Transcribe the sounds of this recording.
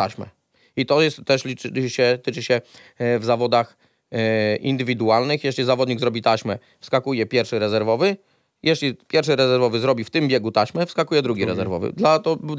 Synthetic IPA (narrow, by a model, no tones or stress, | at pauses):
aɕmɛ̰ | it̪ɔjɛst̪ːɛʂlʲiɕɛt̪ɘt͡ʂɘɕɛ | vzavɔd̪ax | ʔḭnd̪ɘvʲid̪ualnɘxjɛʂlʲizavɔd̪ɲiɡzɾɔbʲit̪aɕmɛ | fskakujɛpʲjɛɾfʂɘɾɛzɛɾvɔvɘ | jɛʂlʲipʲjɛɾfʂɘɾɛzɛɾvɔvɘzɾɔbʲift̪ɘmbʲjɛɡut̪aɕmɛfskakujɛd̪ɾuɡʲiɾɛzɛɾvɔ̰vɘ̰d̪lat̪ɔ